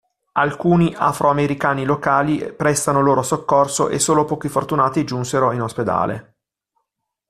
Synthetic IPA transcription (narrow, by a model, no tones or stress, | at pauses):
alkuːniʔa̰fɾʔoameɾikaːnilokaːlipɾɛst̪anoloːɾosokːorso̰ʔḛsːoːlopɔːkifort̪unaːt̪id͡ʒunseɾoinosped̪a̰ːlḛ